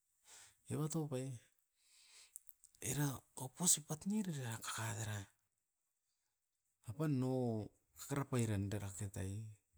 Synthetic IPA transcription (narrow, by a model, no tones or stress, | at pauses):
ḛβato̞paj | eɾaoposipatniɾeɾaɾakḁkadeɾa | pano | kḁkaɾapajɾandaɾaketaj